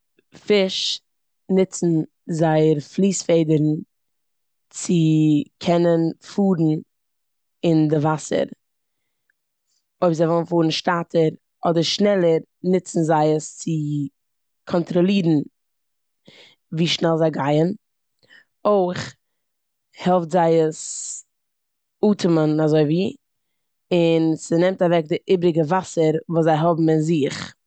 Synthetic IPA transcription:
fɪʃ | nɪt͡sn̩ | zaɪəɾflˠiːsfeɪdəɾn̩ | t͡sɪkʰɛnənfuːɾn̩ | ɪndɪvasə̰ɾ | oɪpzaɪvɔlˠnfuːɾn̩ʃtaːtʰəɾ | ɔdəɾʃnɛlˠəɾ | nɪt͡sn̩zaɪəst͡sɪ | kʰɔntɾɔlˠiːɾn̩ | viːʃnɛlˠzaɪɡaɪən | oɪχ | hɛlˠftzaɪəs | uːtʰɪmənazoɪviː | ɪnsɪnɛmtavɛk̚dɪʔɪbɾɪɡəvasəɾvuːszaɪɦɔbm̩ɪnzɪχ

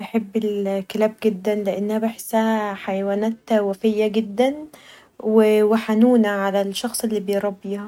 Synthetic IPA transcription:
beħebːɪlkelæːb̚ɡed̪ːænleʔenːhæbeħsæhæħajwæːnæːt̪wæfejːæɡɪd̪ːæn | weweħanuːnæʕalælʃːɑxsˤelːiːbejɾˤɑbːiːhæ

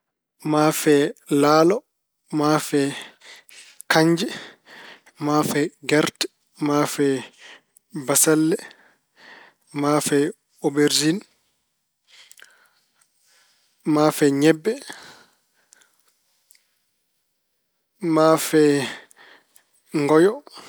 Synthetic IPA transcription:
maːfɛlaːlɔ | mafɛ | kaɲd͡ʒɛ | mafɛɡaɾtɛ | mafɛ | basalːɛ | mafɛ | obeɾd͡ʒin | mafɛɲɛbːɛ | maːfɛ | ŋɡɔjɔ

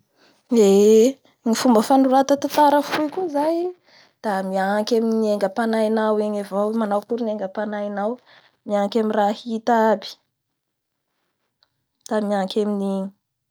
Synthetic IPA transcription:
e | ŋifumbəfanuɾat̪at̪at̪aɾəfuikuzaj | d̪̥amiaŋkʲaminieŋɡəpanajnaweɲavowmanawkuɾineŋɡəpanajnaw | miaŋkʲamirahit̪abi̥ | d̪̥amiaŋkʰʲamini

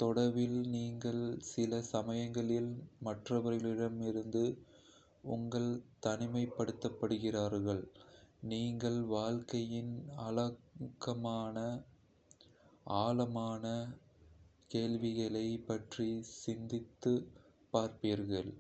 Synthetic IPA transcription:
t̪ɔɽɐɾʋɪlniːŋɡɐɭsɪlɐsɐmɐjɐŋɡɐɭɪlmɐʈrɐʋɐɾɪlɪɽɐmɪɾɯnd̪ɯ | ʊŋɡɐɭt̪ɐnɪmɐɪpːɐɽɯt̪ːɐpːɐɽɯɣɪraːɾɣɐɭniːŋɡɐɭʋaːlkɐjɪnɐlɐkːɐmaːnɐ | aːlɐmaːnɐ | keːɭʋɪɣɐɭɐɪpɐʈrisɪnd̪ɪt̪ːɯ | pːaːɾpiːɾɣɐɭ

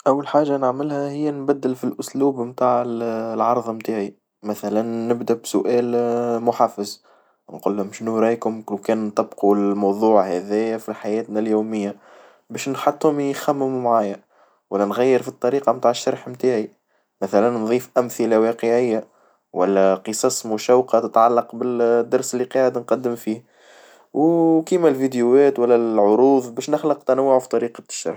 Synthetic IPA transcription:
ʔæwːalħaːʒanəʕmɪlhæhɪjːænbæd̪ːɪlfilʔʊsluːbmt̪aːʕəlʕɑɾˤðˤmt̪aːʕi | mæθælænːɪbd̪æbsʊʔɛːlmʊħafəz | nqʊlːæmɪʃnuɾˤɑjkʊmkkɛːnt̪ˤɑbqulmɑwðˤuːʕhæðɪjæfiħajɛːt̪næljuːmɪjːa | bɛːʃnħɑt̪ˤːhʊmxæmːɪmumʕaːjæ | wælːænɣæjːəɾfit̪ˤːɑɾiːqɑmt̪aːʕəʃːɑɾˤħmt̪aːʕi | mæθælænːðˤiːfʔæmθɪlawɑːqəʕɪjːa | wælːæqəsˤɑːsˤmʊʃæwqɑt̪ɪt̪ʕalːɑqbɪd̪ːɑɾˤsɪlːiqɑːʕəd̪nqɑd̪ːɪmfiː | wkimælvid̪juwɛːt̪wælːæʕʊɾuːðˤbɛːʃnɪxlɑqt̪ænawːʊʕufi̥t̪ˤɑɾiːqɑʃːɑ̰ɾħ

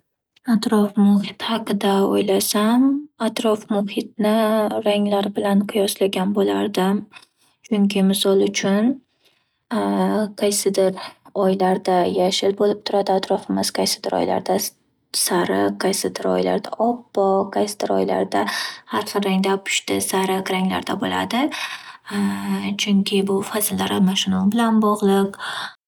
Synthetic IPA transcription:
at̪ɾɒfmʊhɪt̪hɑqɨd̪aojlasamat̪ɾɒfmʊhɪt̪̚nɪɾaŋlaɾbɪlanqʰʊjɒslaɡʲanbola̰ɾd̪ɪm | t͡ʃʰʊŋkʲʰɪmɪsɒlˠʊt͡ʃʰʊn | qʰɑjsɪd̪ɪɾɒjlaɾd̪ajaʃɪlbolɪp̚t̪ʰʊɾad̪ɪat̪ʰɾɒfɪmɪz̥qʰajsɪd̪ɪɾɒ̰jla̰ɾd̪a | saɾɪqʰːajsɪd̪ɪɾɒ̰jla̰ɾd̪a̰ʔɒpːɒqʰɑjsɪd̪ɪɾɒ̰jla̰ɾd̪ahaɾχɨɾaŋd̪apʰʊ̥ʃt̪ɪsaɾɪqɾaŋla̰ɾd̪abola̰d̪ɪ | t͡ʃʰʊŋkʲʰɪbʊfazɪlːaɾamaʃɪnɒbɪlanbɒʁlˠɨq

